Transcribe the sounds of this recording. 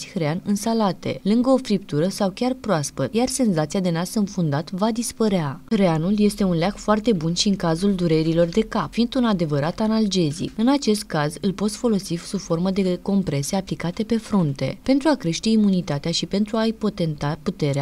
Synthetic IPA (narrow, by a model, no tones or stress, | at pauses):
sʲhɾeanɨnsalat̪e̞̰lɨŋɡəo̞fɾip̚t̪uɾəsawkʲarpɾoaspət̪jarse̞nzat̪siad̪e̞nasɨnfund̪at̪vad̪ispəɾeaxɾeanulje̞st̪e̞unlʲakfoart̪e̞bunʃiɨŋkazuld̪uɾe̞ɾilo̞rd̪e̞kapfind̪unad̪e̞vəɾat̪anald͡ʒe̞zḭkɨnat͡ʃe̞st̪̚kazɨlpo̞t̪sfo̞lo̞sisufo̞rməd̪e̞ko̞mpɾe̞se̞aplikat̪e̞pe̞fɾunt̪e̞̰pe̞nt̪ɾuakɾe̞ʃt̪e̞imunit̪at̪eaʃipe̞nt̪ɾuaijpo̞t̪e̞nt̪aput̪e̞ɾea